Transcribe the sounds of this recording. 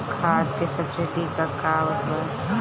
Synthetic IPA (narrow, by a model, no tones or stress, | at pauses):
kʰaːt̪kesɐbseʈikkakaːʋət̪mən